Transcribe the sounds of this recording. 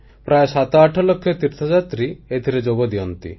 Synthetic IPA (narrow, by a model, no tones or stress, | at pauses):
pɾaesat̪ɔaʈʰɔlokʰːjɔt̪iɾt̪ʰɔd͡ʒat̪ɾiet̪ʰiɾed͡ʒoɡɔd̪ijɔnt̪ḭ